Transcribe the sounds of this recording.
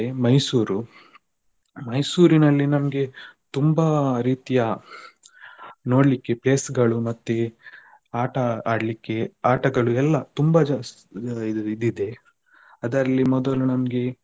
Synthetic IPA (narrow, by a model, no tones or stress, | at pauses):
emɐjsuːɾu | mɐjsuːɾinɐlːinɐmɐɡe̞t̪umbɐɾiːt̪ijaː | no̞ːɽlikːe̞ple̞ːsɡɐɭumɐt̪ːe | aːʈɐaːɽlikːe̞aːʈɐɡɐɭuɛlːɐt̪umbɐd͡ʒ̪ | id̪id̪e̞ | ɐd̪ɐɾɐlːimɔd̪ɐlunɐmɐɡe̞